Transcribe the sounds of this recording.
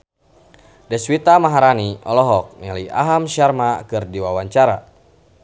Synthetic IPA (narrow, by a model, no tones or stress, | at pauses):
dɛswit̪amaɦaɾaniʔɔ̰lɔɦɔk̚nilia̰ɦamʃarmakɨrdiwawaɲt͡ʃaɾa̰